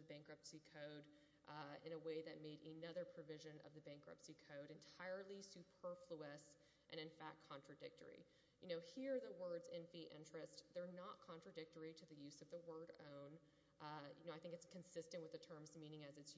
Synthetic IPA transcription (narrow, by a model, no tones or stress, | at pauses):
ðɨbæ̃ŋkɹʌpsikʰoʊɾ | ʔɪ̰̃ñəweɪðɨt̚meɪɾɨnʌðə˞pʰɹ̥ɨvɪʒɨ̃nʌ̰vðɨbæ̃ŋkɹʌ̰psikʰoʊɾɨ̃ntʰaɪə˞lˠisʉpʰɜ˞fluɨs | ʔɨ̃nɨ̃ɱfæk̚kʰɑ̃nt͡ʃɹ̥ɨdɪk̚tə̰˞ḭ | jɨnoʊhiɹðəwɜ˞dzɪ̃nfiʔɪ̰̃nt͡ʃɹ̥ɨstðə˞nət̚kʰɑ̃nt͡ʃɹ̥ɨdɪk̚tə˞iɾɨðɨjʉzʌvðəwɜ˞ɾõ̰ʊ̃n | jɨnoʊaɪθɪ̃ŋkɨtskʰɨ̃n̩sɪstɨ̃nʔwɨðɨtʰɜ̃˞mzmĩnɪ̃ŋɨzɨts